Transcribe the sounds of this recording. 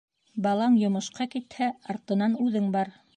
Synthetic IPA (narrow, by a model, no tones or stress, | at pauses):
bɑlˠɑɴjŏmɤ̆ʃqɑkit̪hæɑɾt̪ɤ̆nɑnʉðɘŋbɑɾ